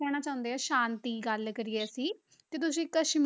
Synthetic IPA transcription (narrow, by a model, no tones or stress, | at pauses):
ɛːñaːt͡ʃaːʊ̃nd̪eːaːʃaːnt̪iːɡəlkəɾiːɛːsiː | t̪eːt̪̬ʊsĩːkəʃm